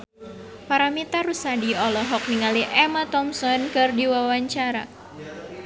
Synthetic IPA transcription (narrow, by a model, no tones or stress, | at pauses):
paɾamit̪aɾusadiɔlɔɦɔk̚niŋaliʔɛmat̪ɔmsɔnkɨrdiwawaɲt͡ʃaɾa̰